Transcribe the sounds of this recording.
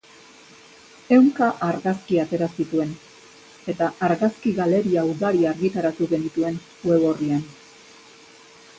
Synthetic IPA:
e̞wŋkaʔaɾɣaskiat̪e̞ɾasit̪ue̞n | e̞t̪aʔːɾɣaskiɣale̞ɾiauðaɾiaɾɣit̪aɾat̪uɣe̞nit̪ue̞n | we̞βo̞rian

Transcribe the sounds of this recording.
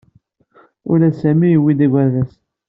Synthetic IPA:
ʊɾæsæmijiwid̪æɡʷæðæs

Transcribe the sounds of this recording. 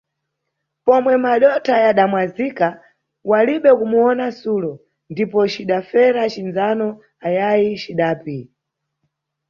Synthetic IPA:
pɔmwɛmaɗɔtʰajaɗamwazika | waliɓɛkumuɔnasulɔ | ndipɔt͡ʃiɗafɛɾat͡ʃinzanɔ | ajajit͡ʃiɗaːpi

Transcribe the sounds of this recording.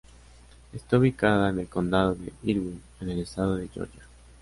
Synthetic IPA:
est̪auβikaðaene̞lko̞nd̪að̞oðḛiɾwin | ene̞lest̪að̞oðeʝo̰ʝa

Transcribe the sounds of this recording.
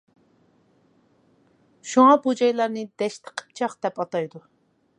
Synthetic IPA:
ʃuŋɑbud͡ʒɑjlˠɑɾnɨd̪ɛʃt̪ʰə̥qʰə̥p̚t͡ʃʰɑqd̪̥ɛpɑt̪ɑjd̪u

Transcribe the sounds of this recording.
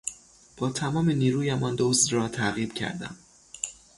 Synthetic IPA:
b̥ɒːt̪ʰæmɒːmeniːɾuːjæmʔɒnd̪osɾɒːt̪ʰæɣiːb̥cʰæ̰ɾd̪æ̰m

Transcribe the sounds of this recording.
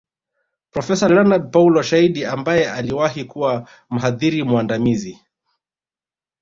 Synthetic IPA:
pɾɔfɛsalɛnaɗ̚paulɔʃaiɗiambajɛʔaliwahikuwa | m̩ɦaðiɾimwandamizi

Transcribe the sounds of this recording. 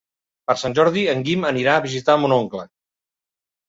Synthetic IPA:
pəɾsanʲʒɔɾðiəŋɡiməniɾaːβizit̪amunoŋklə

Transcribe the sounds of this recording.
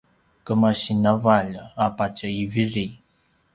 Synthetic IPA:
kəmaɕinavaʎapat͡ʃəiviɾi

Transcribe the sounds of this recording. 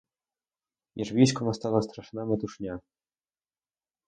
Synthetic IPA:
jɛʐvʲiʃkɔmɔst̪alɔst̪ɾaʂnamɛt̪uʂɲʲa

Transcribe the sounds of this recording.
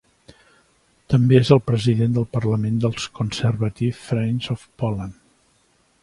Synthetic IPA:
t̪əmbeezəlˠpɾəziðend̪əlˠpərləmend̪əlˠskunsərβət̪ifːɾɛnzofpɔlən

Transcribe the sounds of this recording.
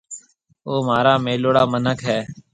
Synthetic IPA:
oːmaːɾaːmeːloːɽaːmənəkɦɛː

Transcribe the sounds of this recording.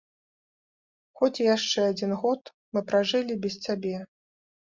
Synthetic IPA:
xɔt͡sʲijaʂt͡ʂɛad͡zʲinɣɔt̪ | mɨpɾaʐɨlʲibʲɛst͡sʲabʲɛ

